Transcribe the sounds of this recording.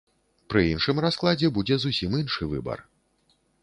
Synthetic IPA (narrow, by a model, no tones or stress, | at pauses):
pɾɨinʂɨmrasklˠad͡zʲɛbud͡zʲɛzusʲiminʂɨvɨ̰bɐ̰r